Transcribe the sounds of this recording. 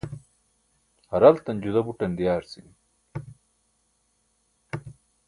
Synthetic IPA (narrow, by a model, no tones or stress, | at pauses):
hɐɾɐlt̪ɐnʲd͡ʑud̪ɐbuʈɐnd̪ijaːɾsin